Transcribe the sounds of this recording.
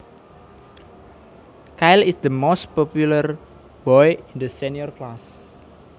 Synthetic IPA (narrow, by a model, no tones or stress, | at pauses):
kajlisd̪əmost̪̚pɔpjulər | bɔjind̪əsɛniɔrklas